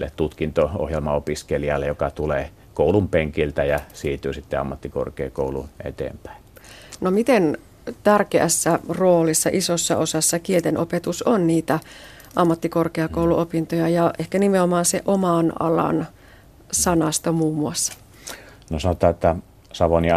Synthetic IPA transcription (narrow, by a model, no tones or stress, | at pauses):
lːett̪ut̪kint̪oo̰hjelmɑopiskeliɑlːejokɑt̪uleː | koˑulumpeŋkilt̪æjɑsiːt̪yːsit̪ːeɑ̰mːɑt̪ːiko̰rkḛːkoˑulṵnḛt̪ḛːmpæ̥ˑinnomit̪en | t̪ærkeæ̰sːæroːlisːɑʔisosːɑ̰osɑsːɑkiet̪enʔopet̪usonniːt̪æ | ʔɑmːɑt̪ːikorkeɑkouluʔopint̪ojɑjɑʔehkænimeomɑːnsḛʔomɑnɑ̰lɑ̰n | sɑnɑst̪omuːmːuɑsːɑ̥ | nosɑnot̪ˑɑːet̪ːæ | sɑʋoni